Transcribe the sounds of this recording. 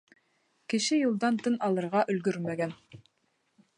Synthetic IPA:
kɘ̆ʃɘjulˠd̪ɑnt̪ɤnɑlˠɤ̆ɾʁɑʔɵ̆lɡɵɾmæɡæn

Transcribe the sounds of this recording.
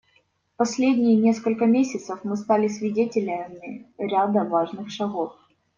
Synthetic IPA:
pɐsʲlʲedʲnʲɪjɪnʲe̞skəlʲkəmʲesʲɪt̪səfmɨs̬t̪alʲɪsʲvʲɪdʲetʲɪlʲəmʲɪɾʲad̪əvaʐnɨxʂɐɣo̞f

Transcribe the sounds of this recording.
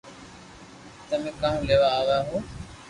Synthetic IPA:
t̪əmẽːkãːũːleːʋaːaːʋaːɦoː

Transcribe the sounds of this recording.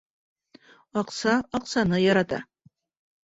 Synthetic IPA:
ɑqsɑɑqsɑnɨjɑɾɑt̪ɑ̰

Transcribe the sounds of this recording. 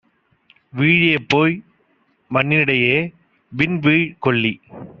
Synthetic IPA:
ʋiːɻjeːpːoːj | mɐnːɪnɪɽɐjeː | ʋɪnʋiːɻkɔɭːi

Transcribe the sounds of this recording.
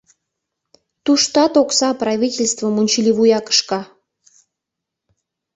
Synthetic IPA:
t̪uʃt̪ɑt̪oksɑprɑvʲitʲelʲst̪vəmunʲt͡ɕilʲiβujɑkə̥ʃkɑ

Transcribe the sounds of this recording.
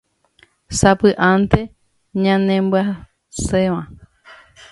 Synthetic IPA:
sapɨʔant̪e | ɲãnẽmbɨa | seʋã

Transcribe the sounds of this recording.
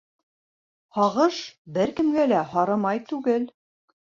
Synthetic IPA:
hɒʁɤʃbɘɾkɘ̆mɡælæhɒɾɤmɑjt̪ʉɡɘl

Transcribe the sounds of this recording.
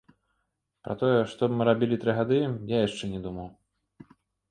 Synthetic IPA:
pɾɐ̰t̪ɔjɛʂt̪ɔbmɨɾabʲilʲit̪ɾɨɣad̪ɨjajaʂt͡ʂɛnʲɛd̪umɐw

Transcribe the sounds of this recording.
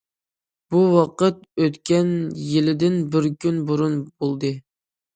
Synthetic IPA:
b̥uwɑqət̪̚øt̪kʲɛnjilɪd̪ɪnbɪɾkʲynbuɾunbolˠd̪ɨ

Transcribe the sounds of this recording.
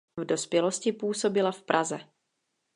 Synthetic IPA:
vdo̞spjɛlo̞scɪpuːso̞bɪlafpɾʔazɛ

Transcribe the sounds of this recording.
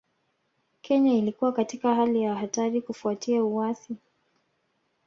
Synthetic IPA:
kʰɛɲailikuwakatikaɦalijahataɾikufuatʰiauwaθi

